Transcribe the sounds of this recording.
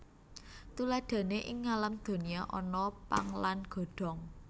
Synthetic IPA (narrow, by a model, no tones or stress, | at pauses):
t̪ulad̪̥a̤neʔɪŋːalamd̪̥o̤nijaʔɔ̰nɔpa̰ŋlanɡ̥ɔ̤ɖ̪̥ɔ̤ŋ